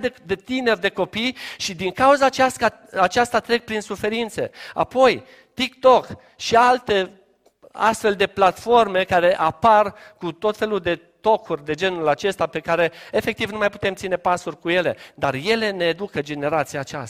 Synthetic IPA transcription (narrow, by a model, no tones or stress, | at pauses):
d̪e̞t̪ine̞rʲd̪e̞ko̞pijʃid̪iŋkauzaːt͡ʃast̪a | at͡ʃast̪at̪ɾe̞k̚pɾinsufe̞ɾint̪se̞̰a̰po̞j | t̪ik̚t̪o̞k | ʃialt̪e̞ | a̰st̪fe̞ld̪e̞plat̪fo̞rme̞kaɾe̞ʔaparkut̪o̞t̪fe̞luld̪e̞ | t̪o̞kʰurʲd̪e̞d͡ʒe̞nulat͡ʃe̞st̪ape̞kaɾe̞efe̞k̚t̪ivnumajpu̥t̪e̞mt̪sine̞pasurʲkuje̞le̞̰d̪arje̞le̞ne̞ːd̪ukəd͡ʒe̞ne̞ɾat̪siaːt͡ʃa